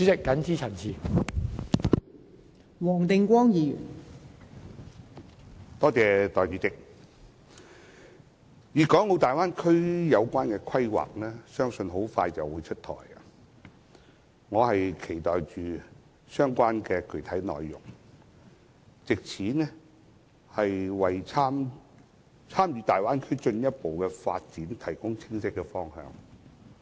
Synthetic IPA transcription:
t͡ʃy˨˥t͡sɪ˨˩kːɐ˨˥nt͡sʰiː˥t͡sʰɐ˨˩nt͡sʰiː˨˧ | wɔː˨˩ŋt̪ɪ˨˧ŋkʷɔː˥ŋjiː˨˧jy̰ː˨˩n | t̪ɔː˥t͡sɛː˨˧t̪ɔː˨˩jt͡ʃyː˨˧t͡sɪ˧k̚ | jiː˨˩kɔː˨˥ŋo˨˧wt̪aː˨jwaː˥nkʰɵ˥ɥjɐ˨˧wkʷaː˥nkɛː˧kʰɐ˥jwa̰ː˨k̚nɛː˥sœː˥ŋsɵ˧nɦo˨˥wfaː˧jt͡sɐ˨˩wːuː˨˧jt͡ʃʰɵ˥t̚t̪ʰɔ̰ː˨˩ja̰˨ | ŋɔː˨˧hɐ˨jkʰe˨˩jt̪ɔː˨jt͡ʃyː˨ | sœː˥ŋkʷaː˥nkɛː˧kɵ˨˩ɥt̪ʰɐ˨˥jnɔ̰ː˨jːʊ̰˨˩ŋ | t͡sɪ˨k̚t͡sʰiː˨˥nɛ˥ | hɐ˨jwɐ˨jt͡sʰaː˥m | t͡sʰaː˥mjyː˧t̪aː˨˩jwaː˥nkʰɵ˥ɥt͡ʃɵ˧njɐ˥t̚po˨wkɛ˧fa̰ː˧t̚t͡siː˨˥nt̪ʰɐ˨˩jkʊ˥ŋt͡sʰɪ˥ŋsɪ˥kːɛ˧fɔː˥ŋhœ̰ː˧ŋ

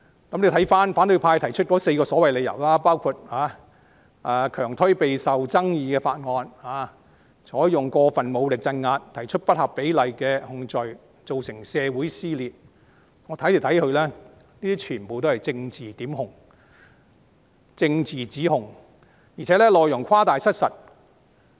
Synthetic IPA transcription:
kɐ˨˥mle˨˧t̪ʰɐ˨˥jfaː˥nfaː˨˥nt̪ɵ˧jpʰaː˧jt̪ʰɐ˨˩jt͡ʃʰɵ˥t̚kɔː˨˥se˧jkɔː˧sɔː˨˥wɐ˨jle˨˧jɐ̰˨˩wlaː˥paː˥wkʰuː˧t̚haː˨˧˦ | ʔaː˨˧kʰœː˨˩ŋt̪ʰɵ˥ɥpe˨jsɐ˨wt͡sɐ˥ŋjiː˧kɛː˧faː˧t̚ŋɔː˧nhaː˨˧ | sɔː˨˥jjʊ˨ŋkɔː˧fɐ˨nmo˨˧wlɪ˨k̚t͡sɐ˧nŋaː˧t̚t̪ʰɐ˨˩jt͡ʃʰɵ˥t̚pɐ˥t̚hɐ˨pːe˨˥jlɐ˨˧jkɛː˧hʊ˧ŋt͡ʃɔ˨j | t͡so˨wsɪ˨˩ŋsɛː˧wuː˨˥jsiː˥liː˨t̚ | ŋɔː˨˧t̪ʰɐ˨˥jt̪i˨˩wt̪ʰɐ˨˥jhɵ˧ɥlɛː˥ | niː˥t̪iː˥t͡ʃʰyː˨˩npo˨wt̪̬o˥hɐ˨˩jt͡sɪ˧ŋt͡siː˨˩t̪iː˨˥mɦʊ˨˩ŋ | t͡sɪ˧ŋt͡siː˨˩t͡siː˨˥hʊ˨˩ŋ | jiː˨˩t͡sʰɛː˨˥lɛː˥lɔː˨jʊ˨˩ŋkʷʰaː˥t̪aː˨jsɐ˥t̚sɐ˨t̚

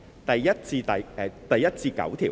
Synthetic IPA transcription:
t̪ɐ˨jjɐ˥t̚t͡siː˧t̪ɐ˨jɛ˨˧t̪ɐ˨jɐ˥t̚t͡siː˧kɐ̰˨˥wt̪ʰiː˨˩

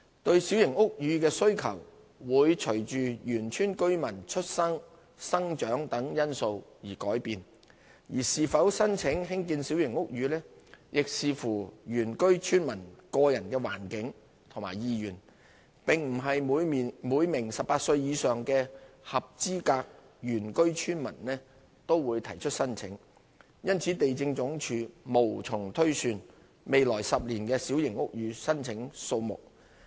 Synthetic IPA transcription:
t̪ɵ˧ɥsi˨˥wjɪ˨˩ŋʊ˥k̚jyː˨˧kɛː˧sɵ˥ɥkʰɐ̰˨˩w | wuː˨˧jt͡ʃʰɵ˨˩ɥt͡ʃyː˨jyː˨˩nt͡ʃʰyː˥nkɵ˥ɥmɐ˨˩nt͡ʃʰɵ˥t̚sɐ˥ŋ | sɐ˥ŋt͡ʃœː˨˥ŋt̪ɐ˨˥ŋjɐ˥nso˧wjiː˨˩kɔː˨˥jpiː˨n | jiː˨˩siː˨fɐ˨˥wsɐ˥nt͡sʰɪ˨˥ŋɦɪ˥ŋkiː˧nsiː˨˥wjɪ˨˩ŋʊ˥k̚jyː˨˧lɛː˥jɪ˨k̚siː˨fuː˨˩jyː˨˩nkɵ˥ɥt͡ʃʰyː˥nmɐ˨˩nkɔː˧jɐ˨˩nkɛː˧wa̰ː˨˩nkɪ˨˥ŋ | t̪ʰʊ˨˩ŋma̰ː˨˩jjiː˧jyː˨˩n | pɪ˨˩ŋm̩˨˩ɦɐ˨juː˨˧jmuː˨˧jmɪ˨˩ŋsɐ˨p̚paː˧t̚sɵ˧ɥjiː˨˧sœː˨ŋkɛː˧hɐ˨p̚t͡siː˥kaː˧k̚ | jyː˨˩nkɵ˥ɥt͡ʃʰyː˥nmɐ˨˩nlɛː˥ | t̪o˥wwuː˨˧jt̪ʰɐ˨˩jt͡ʃʰɵ˥t̚sɐ˥nt͡sʰɪ˨˥ŋ | jɐ˥nt͡sʰiː˨˥t̪e˨jt͡sɪ˧ŋt͡sʊ˨˥ŋt͡ʃʰyː˧mo˨˩wt͡sʰʊ˨˩ŋt̪ʰɵ˥ɥsyː˨n | me˨jlɔː˨˩jsɐ˨p̚liː˨˩nkɛː˧siː˨˥wjɪ˨˩ŋʊ˥k̚jyː˨˧sɐ˥nt͡sʰɪ˨˥ŋso˧wmʊ̰˨k̚

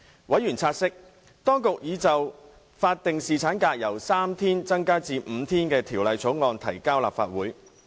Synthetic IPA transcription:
wɐ˨˥jyː˨˩nt͡sʰaː˧t̚sɪ˥k̚ | t̪ɔː˥ŋkʊ˨k̚jiː˨˧t͡sɐ˨w | faː˧t̚t̪ːɪ˨ŋsiː˨t͡sʰaː˨˥nkaː˧k̚jɐ˨˩wsaː˥mt̪ʰiː˥nt͡sɐ˥ŋkaː˥t͡siː˧m̩ː˨˧t̪ʰiː˥nkɛː˧t̪ʰiː˨˩wlɐ˨˧jt͡sʰo˨˥wŋɔː˧nt̪ʰɐ˨˩jkaː˥wla̰ː˨p̚fa̰ː˧t̚wuː˨˥j

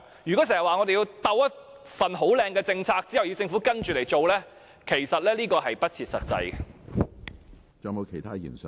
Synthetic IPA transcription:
jy˨kɔ˨˥sɛː˨˩jɐ˨waː˨˧ŋɔ˨˧d̪e˨ji˧wt̪ɐ˧wjɐ˥t̚ | fɐ˨˩nɦo˨˥wlɛː˧ŋkɛː˧t͡sɪ˧ŋt͡sʰaː˧k̚t͡si˥hɐ˨wji˨˧wt͡sɪ˧ŋfu˨˥kɐ˥nt͡ʃyː˨le˨˩jt͡ʃo˨wlɛː˥ | kʰe˨˩jsɐ˨t̚lɛː˥liː˥kɔː˧ɦɐ˨jpɐ˥t̚t͡sʰiː˧t̚sɐ˨t̚t͡sɐ̰˧jɛ˨ | t͡sɔː˨˧ŋmo˨˧wkʰe˨˩jt̪ʰaː˥jḭː˨˩nsɐ˨

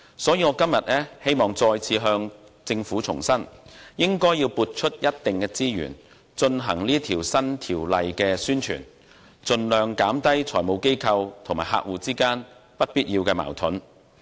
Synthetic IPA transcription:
sɔː˨˥jiː˧ŋɔː˨˧kɐ˥mjɐ˨t̚ɛː˥he˥jmɔː˨ŋt͡sɔː˧jt͡sʰiː˨˧ɦœː˧ŋ | t͡sɪ˧ŋfuː˨˥t͡sʰʊ˨˩ŋsɐ˥njɪ˥ŋkɔː˥jiː˧wpuː˨˧t̚t͡ʃʰɵ˥t̚jɐ˥t̚t̪ɪ˨ŋkɛː˧t͡siː˥jy̰ː˨˩n | t͡ʃɵ˧nɦɐ˨˩ŋliː˥t̪ʰiː˨˩wsɐ˥nt̪ʰiː˨˩wlɐ˨jkɛː˧syː˥nt͡ʃʰy̰ː˨˩n | t͡ʃɵ˧nlœː˧ŋkaː˨˥mt̪ɐ˥jt͡sʰɔː˨˩mo˨˧wke˥jkʰɐ˧wt̪ʰŋmaː˨˩ɦa̰ː˧k̚wuː˨˧t͡siː˥kaː˥npɐ˥t̚piː˥t̚jiː˧wkɛː˧ma̰ː˨˩wt̪ʰʊ˨˥n

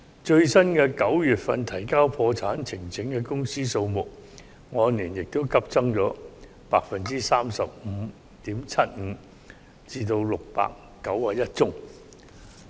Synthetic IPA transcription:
t͡ʃɵ˧ɥsɐ˥nkɛː˧kɐ˨˥wjyː˨t̚fɐ̰˧nt̪ʰɐ˨˩jkaː˥wpʰɔː˧t͡sʰaː˨˥nt͡sʰɪ˨˩ŋt͡sʰɪ˨˥ŋkɛ˧kʊ˥ŋsiː˥so˧wmʊ˨k̚ | ŋɔː˨˧niː˨˩njɪ˨k̚t̪o˥wkʰɐ˥p̚t͡sɐ˥ŋt͡sɔː˨˥ | paː˧k̚fɐ˨nt͡siː˥saː˥msɐ˨p̚m̩˨˧˥ | t̪iː˨˥mt͡sʰɐ˥t̚m̩˨˧ | t͡siː˧t̪o˧wlʊ˨k̚pa̰ː˨kːɐ˨˥waː˨˧jɐ˥t̚t͡sʊ˥ŋ

